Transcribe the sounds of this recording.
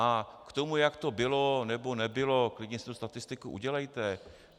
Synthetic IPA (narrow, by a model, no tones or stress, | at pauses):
ʔakt̪o̞mujakt̪o̞bɪlo̞nɛbo̞nɛbɪlo̞klɪɟɲɛst̪ust̪at̪ɪst̪ɪkuʔṵɟɛlɛjt̪ɛ